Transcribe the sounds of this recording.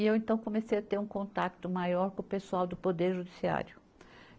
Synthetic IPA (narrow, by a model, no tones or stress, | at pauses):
ɪewẽnt̪ɐ̃w̃kõmesejat̪eɾũkõnt̪akt̪ʊmajɔɾkõʊpesuawd̪ʊpod̪eɾʒud̪isia̰ɾjʊ